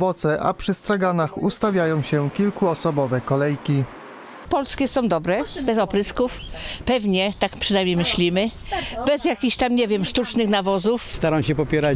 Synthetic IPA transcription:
vɔt̪sɛʔa̰pʂɘst̪ɾaɡanaxust̪avʲjajɔ̃w̃ɕɛkʲilkuɔsɔbɔvɛkɔlɛjkʲi | pɔlskʲɛsɔ̃w̃d̪ɔbɾɛbɛzɔpɾɘskufpɛvɲɛt̪akpʂɛnajmʲɲejmɘɕlʲimɘbɛzjakʲiɕt̪amɲɛvʲjɛmʂt̪ut͡ʂnɘxnavɔzufst̪aɾamwɕɛpɔpʲjɛɾa

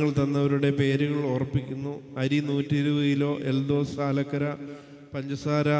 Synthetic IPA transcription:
ɐɭt̪ɐnːɐʋɐɾuɽe̞pe̞ːɾuɣɐɭoːrɐpːikʲːunːuɐɾinuːtːiɾuʋɐjilo̞ːʔe̞ld̪oːsaːlɐkːɐɾɐ | pɐɲd͡ʑɐsaːɾɐ

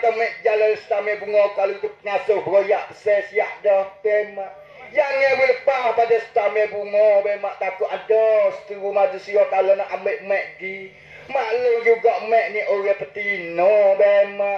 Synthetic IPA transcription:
t̪əmɛʔd͡ʒalansə̥t̪amebuŋɔkalot̪up̚ŋasʊhbəɾojaʔpə̥sɛsjaʔdɔt̪ɛmaʔ | janewiləpahpadasə̥t̪amebuŋɔbɛmaʔt̪akʊʔadɔsə̥t̪iwumad͡ʒusijɔt̪alɔnaʔameʔəmɛʔɡi | maʔlud͡ʒuɡaʔəmɛʔniʔoɾɛhpət̪inɔbɛmaʔ

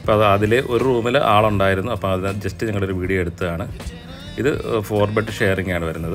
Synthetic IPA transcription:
ɐpːoːɐðɨɐðile̞ʔo̞ɾuruːmilʔaːɭɐuɳɖaːjiɾunːuɐpːoːŋɐðinɨd͡ʑestːɨɲɐŋːɐɭo̞ɾuʋiːɽijɐmeɽut̪ːɐðaːɳɨ | iðɨ̰fo̞ːrbɐʈːɨʂeːriŋɡaːɳɨʋɐɾunːɐðɨ

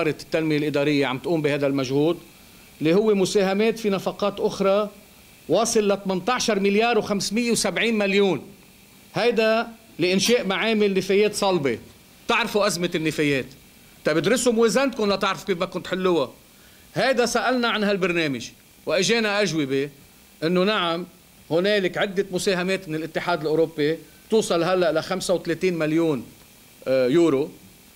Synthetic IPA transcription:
ɑːɾˤɑt̪ːalmɪjelʔɪd̪ɑːɾɪjːeʕa̰mbt̪ʔuːmbihajd̪almaʒhuːd̪ | lːihʊwːemʊseːɦameːt̪finɑfɑqɑːt̪ʔʊxɾˤɑ | wɑːsˤɨlːat̪mɪnt̪ˤɑʕʃɑɾˤmɪljɑːɾˤwxamsmɪjːewsabʕiːnmaljuːn | hajd̪a | lɪʔɪnʃeːʔmaʕeːmɪlnɪfejeːt̪sˤɑlbe | t̪ɪʕɾfuʔazmɪnːɪfejeːt̪ | t̪ɑbɪd̪ɾɪsumʊweːzant̪̚kʊnlat̪ɪʕɾfu̥keːfmakʊnt̪ħɪlːʊwa | hajd̪asaʔalnaʕanɦalbaɾˤneːmɪʒ | wʔɪʒeːnaʔaʒwɪbe | ʔɪnːoʊnaʕam | hʊneːlɪkʕɪd̪ːɪmʊseːɦameːt̪mɪnɪlʔɪt̪ːɪħaːd̪ɪlʔoːɾopːi | t̪uːsˤɑlɦalːaʔɪlaxamsawt̪leːt̪iːnmaljuːn | juːɾo

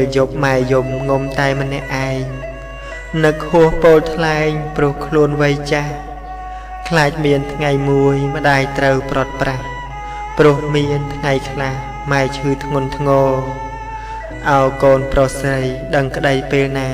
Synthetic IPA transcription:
ljoːp̚maɛjumŋomt̪aɛmə̆nːɛ̆əʔaɛŋ | nɨkʰhʊəhpoːlt̪ʰlaɛŋprʊ̆əhkʰluənʋəjt͡ɕah | kʰlaːc̚miənt̪ʰŋajmuəjmə̆ɗaːjt̪rəwprŏət̪̚prah | prʊ̆əhmiənt̪ʰŋajkʰlah | maɛt͡ɕʰɨːt̪ʰŋʊ̆ənt̪ʰŋɔː | ʔaɔjkoːnprosrəjɗəŋkə̆ɗəjpeːlnaː

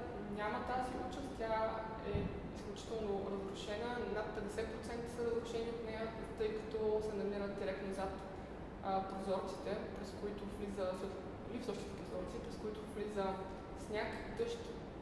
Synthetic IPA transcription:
nʲamət̪aziɔt͡ʃəst̪t̪ʲa | ɛ | isklʲut͡ʃi̥t̪ɛlˠnoɾɐzɾʊʃɛnənat̪̚pɛd̪ɛsɛt̪̚pɾot̪sɛnt̪ə̥sɐɾəzɾʊʃɛniot̪nɛjə | t̪ɤjkɐ̥t̪ɔsɛnɐmiɾəd̪̚d̪iɾɛk̚t̪nozat̪ː | pɾozɔɾt̪si̥t̪ɛpɾɛskoit̪ovlizəsəf | lifsɔʃt̪ʲit̪ɛpɾozɔɾt̪sipɾɛskoit̪ʊvlizə | snʲak | d̪ɤʃt̪

